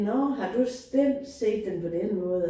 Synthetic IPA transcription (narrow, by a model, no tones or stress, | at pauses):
nɒɦɑ̈d̥usd̥em̰d̥se̝̰ːd̥ːenpʰɒ̽d̥enəmɔ̽ːðˠ